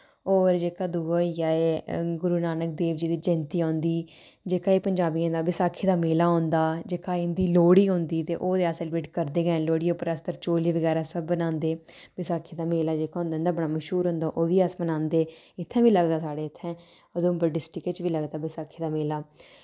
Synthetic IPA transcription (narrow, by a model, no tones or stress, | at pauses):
oːɾd͡ʒeːkaːd̪uːoːijaːeɡʊɾuːnaːnək̚d̪eːʋd͡ʒiːd̪iːd͡ʒɛ̃nt̪iːãːnd̪iː | d͡ʒeːkaːeːpəɲd͡ʒaːbiːẽnd̪aːbɪsaːkʰeːd̪aːmeːlaːɦõːnd̪aːd͡ʒeːkaːɪnd̪iːloːɽiːɦõːnd̪iːt̪ḛːʔoːd̪eːaːsɛːlbɾeːʈkəɾd̪eːɡɛ̃ːloːɽiːeʊpːəɾəst̪əɾt͡ʃoːliːʋəɡɛːɾaːsəbːənãːnd̪eːbɪsaːkʰeːd̪aːmeːlaːd͡ʒeːkaːɦʊ̃nd̪ãːnd̪aːbəɽ̃aːməʃɦuːɾɦõːnd̪aːʔoːʋiːəsmənãːnd̪eː | ɪt̪ʰːɛ̃ːʋiːləɡd̪aːsaːɽeːɪt̪ʰːɛ̃ː | əd̪õːbəɖɪsʈɪket͡ʃʋiːləɡd̪aːbɪsaːkʰeːd̪aːmeːlaː